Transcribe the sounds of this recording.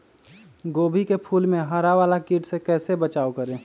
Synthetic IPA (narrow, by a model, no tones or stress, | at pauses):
ɡoːbʱikepʰuːlmẽɦəɾaʋaːlakiːʈsekɛːsebət͡ʃaːokəɾẽː